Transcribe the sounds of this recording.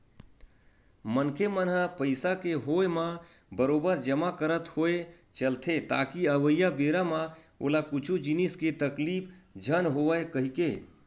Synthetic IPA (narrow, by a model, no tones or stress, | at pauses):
mənkʰemənɦəpəɪsakeɦojmã | bəɾoːbəɾd͡ʒəmakəɾət̪hoe | t͡ʃəlt̪ʰet̪a̰ːkiəʋəjːabeɾamã | o̰lakut͡ʃʰud͡ʒinisket̪əklipʰd͡ʒʱənɦoəekəɦike